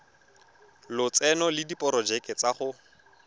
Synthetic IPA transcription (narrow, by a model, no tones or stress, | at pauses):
lʊt͡sɛnɔlɪdipʼɔɾɔd͡ʒɛkʼɛt͡saχʊ